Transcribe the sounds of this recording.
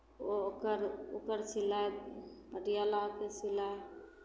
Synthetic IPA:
okəɾokəɾsilajəɾijalakesila

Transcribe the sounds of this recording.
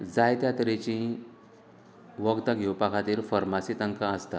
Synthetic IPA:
d͡zajt̪jat̪ɾet͡ɕĩ | ʋəɡt̪aɡʱewpakʰat̪iːɾfəɾmasit̪əŋkãəst̪a

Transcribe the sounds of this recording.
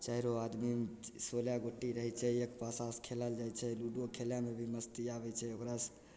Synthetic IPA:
t͡ʃaiɾoad̪misoljaɡoʈːiɾəɦɛt͡ʃʰɛekpasaskʰelald͡ʒajt͡ʃʰɛluɖokʰeljamebʱiməst̪iabɛt͡ʃʰɛokɾas

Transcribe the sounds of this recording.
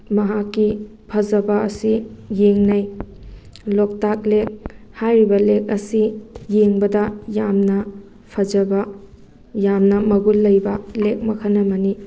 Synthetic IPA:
mɐɦakːi | pʰɐzɐbɐːsijeŋnɐj | lok̚tak̚lek̚hajɾibɐlek̚ɐsijeŋbɐdɐjamnɐ | pʰɐd͡ʒɐbɐ | jamnɐmɐɡulːɐjbɐlek̚mɐkʰɐnːɐmɐni

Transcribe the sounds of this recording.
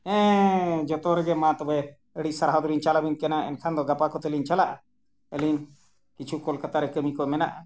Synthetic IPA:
ɛ̃d͡ʒɔt̪ɔɾɛɡɛmãt̪ɔbɛ | əɽisaɾɦɔd̪uɾiɲt͡ʃalabinkɛnaɛ̰nkʰand̪ɔɡapakɔt̪ɛlint͡ʃalaʔa | əlin | kit͡ʃʰukɔlkat̪aɾɛkəmikɔmɛna̰ʔa

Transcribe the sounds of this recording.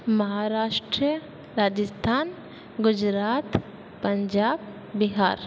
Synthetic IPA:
mɐɦaɾaːʃʈɾiə | ɾaːd͡ʒəst̪ʰaːn | ɡʊd͡ʒɾaːt̪ | pəɲd͡ʒaːb | biɦaːɾ

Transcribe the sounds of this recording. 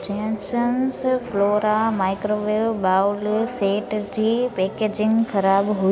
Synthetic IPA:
t͡ɕẽnsənsfloːɾamaːɪkɾoːʋeːʋbaːlseːʈd͡ʑiːpeːkeːd͡ʑɪ̃ŋɡxɐɾaːbɦu

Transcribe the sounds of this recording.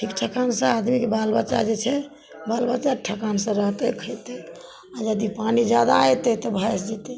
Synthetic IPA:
ʈʰikʈʰəkansə̃ad̪mikebalbət͡ʃa̰d͡ʒet͡ʃʰɛ | balbət͡ʃaʈʰəkansə̃ɾəɦt̪əkʰəjt̪ɛ | ad͡ʒəd̪ipanid͡ʒad̪at̪ɛt̪ɔbʱajsd͡ʒɛt̪ɛ

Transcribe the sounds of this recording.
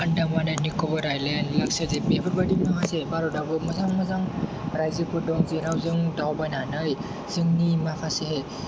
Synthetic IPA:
ɯndamananikʰɔbɔɾajlenlaksazebebɯɾbadimakʰasebaɾɔdabɯmɔzaŋmɔzaŋɾajzɯkɯdɔŋziɾawzɯŋdawbajnanɯj | z̥ɯŋnimakʰaseɦe

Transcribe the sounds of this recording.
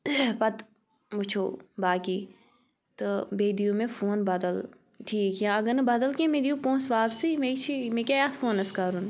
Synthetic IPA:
pɐt̪ | mʊt͡ʃʰoːbaːkiː | t̪obeːd̪ijũmẽfʰoːnbɐd̪əl | ʈʰiːkjãːɐɡɐnɐbɐd̪əlkẽmed̪jũpõːnsʋaːbsimẽt͡ʃʰimẽkʲaːjaːt̪ʰfʰoːnɐskaːɾun

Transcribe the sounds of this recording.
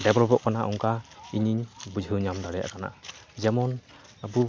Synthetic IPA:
dɛbɾɔbɔʔkanaʔuŋkaiɲiɲbud͡ʒʱɯwɲamd̪aɾɛja̰ʔkana̰zɛmɔn | abu

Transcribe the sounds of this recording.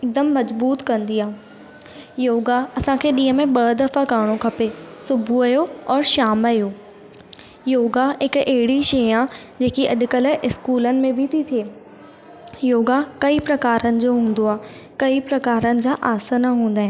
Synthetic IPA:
ɪd̪əmːɐzbuːt̪kɐ̃nd̪iaː | joːɡaɐsãkʰeːɗĩːɦəmẽɓɐd̪ɐfakaːɽ̃okʰɐpesʊbʱuɐjoɔːɾʃaːmɐjoː | joːɡaɦɪkeɦɪɽiʃeːãd͡ʑeːkiɐɗkəlʔɪskuːlənɪ̆mẽbʱit̪ʰit̪ʰieː | joːɡakɐipɾɐkaːɾənɪ̆d͡ʑoːɦũːn̆d̪oaː | kɐipɾɐkaːɾənɪ̆d͡ʑaːʔaːsənaɦũːn̆d̪aːɦɪ̃

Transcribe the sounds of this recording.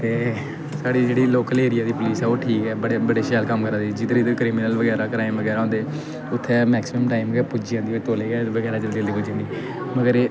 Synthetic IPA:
t̪eː | saːɽiːd͡ʒeːɽiːloːkəleːɾɪjaːd̪iːpʊliːsɛːoːʈʰiːkɛːbəɽebəɖeːʃɛːlkəmkəɾə̃ːd̪id͡ʒɪd̪əɾiːd̪əkɾiːmɪnəlʋəɡɛːɾaːkɾaːɪmʋəɡɛːɾaːɦɔ̃nd̪eː | ʊt̪ʰːeːmɛːksɪməmʈaːɪmɡɛːpʊd͡ʒiːãːnd̪iot̪oːleːɡɛːʋəɡɛːɾaːd͡ʒəld̪iəld̪iːpʊd͡ʒãːd̪iː | məɡəɾː

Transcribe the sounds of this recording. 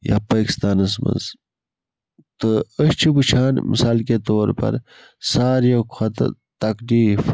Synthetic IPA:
ja̰ːpaːki̥st̪aːnɐs̬mɐ̰z | t̪əəɕt͡ʃʰibut͡ʃʰaːnmḭsaːlket̪oːɾpɐ̰ɾ | saːɾjɐkʰɐt̪ɐ̰ | t̪ɐkdiːf

